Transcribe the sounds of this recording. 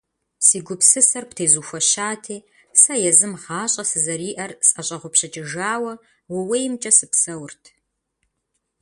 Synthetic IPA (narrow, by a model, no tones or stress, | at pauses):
siːɡʷʊpsɨsɐrptʰeːzuːxʷɐɕaːtʰeː | sɐjɛzɨmʁɑːɕʼɐsɨzɐɾiːʔɐrsʼɐɕʼɐʁʷʊpɕɐt͡ʃʼɪʒaːwɐ | wɐwejmt͡ʃʼɐsɨpsɐwrtʰ